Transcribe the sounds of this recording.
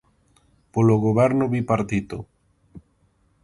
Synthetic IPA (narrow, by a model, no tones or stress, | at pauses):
poloɣoβɛɾnoβipaɾt̪it̪o